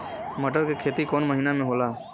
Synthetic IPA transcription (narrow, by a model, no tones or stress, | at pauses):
məʈəɾkekʰet̪ikoːnməɦinamẽɦola